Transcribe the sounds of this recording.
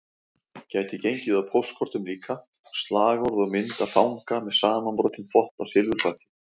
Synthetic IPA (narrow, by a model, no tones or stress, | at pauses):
caːjt̪ɪcejɲcɪðaðpʰowskʰɔɾt̪ʏmɾiːkʰa | st̪laːɣɔɾðɔɣmɪnt̪aðfawŋkamɛðsaːmanpɾɔːt̪ɪnfɔht̪awsɪlvʏɾfaːt̪ɪ̥